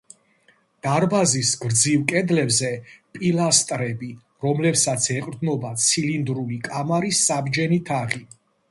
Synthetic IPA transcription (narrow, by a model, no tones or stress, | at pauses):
d̪̥aɾbazisɡɾd̪zivkʼɛd̪lɛbzɛpʼilast̪ʼɾɛbi | ɾɔmlɛpsat̪sʰɛqʼɾd̪nɔbat̪sʰilind̪ɾuikʼamaɾisːabd͡ʒɛnit̪ʰaʁi